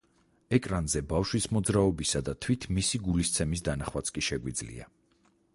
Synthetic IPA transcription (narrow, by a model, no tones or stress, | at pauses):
ɛkʼɾanzɛbafʃwismɔd̪zɾaɔbisad̪at̪ʰwit̪ʰmisiɡulist̪sʰɛmis̬d̪anaχwat̪sʰkʼiʃɛɡwid̪zlḭa̰